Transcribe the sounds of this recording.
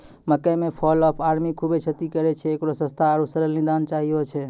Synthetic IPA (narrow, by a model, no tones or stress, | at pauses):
məkəmepʰɔlɔːpʰaɾmikʰubet͡ʃʰət̪ikəɾɛt͡ʃʰɛːkɾosə̃st̪ʰaɾusəɾəlnid̪ant͡ʃaɦijot͡ʃʰɛ